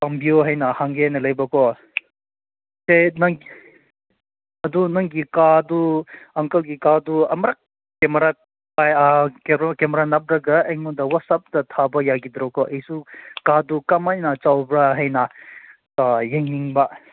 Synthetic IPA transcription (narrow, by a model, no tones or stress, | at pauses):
pɐmbioɦɐjnahaŋɡenelɐjbɐkɔ | senɐŋ | ɐdunɐŋɡikaduɐŋkɐlɡikaduɐ̰mɐɾak̚ | kemɐɾa | pajakekemɐɾanap̚ɾaɡɐeŋudɐwɐsap̚dɐtʰabɐjaɡid̪ɾɔkɔʔejsukadukɐmajnat͡ʃawbɾaɦɐjna | jeŋniŋba